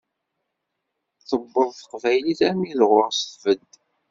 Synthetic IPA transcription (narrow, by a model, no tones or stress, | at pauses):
θəbːəðˤθə̥qvæjliθæmiðʁʊʁsθvəd̪